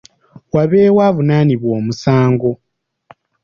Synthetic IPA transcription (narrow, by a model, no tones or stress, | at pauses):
waβeːwaːvunaːniβwo̞ːmusaːŋɡo̞